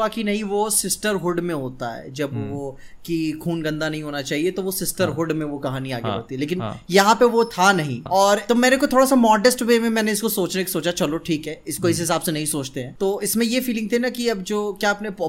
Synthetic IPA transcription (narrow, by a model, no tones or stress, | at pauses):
aːkinɐɦĩʋosɪsʈəɾɦʊɖmẽɦoːt̪aɦɛ̰d͡ʒɐbʋo | kikʰuːnɡɐ̃nd̪anɐɦĩɦoːnat͡ʃaːɦiet̪oʋosɪsʈəɾɦʊɖmẽʋokɐɦaːniaːɡɦḛɐt̪iɦɛleːk̬ɪnjɐɦãpeʋot̪ʰanɐɦĩɔːɾt̪omɛːnekot̪ʰoːɽasamɔːɖəsʈʋeːmẽmɛ̃ːneɪskosoːt͡ʃnekesoːt͡ʃat͡ʃɐloʈʰiːkɦɛːɪskoɪs̬ɦɪsaːbsenɐɦĩsoːt͡ʃt̪eɦɛ̃ːt̪oːɪsmẽjefiːlɪ̃ŋɡ̚t̪ʰenakiɐbd͡ʒoːkjaːɐpnep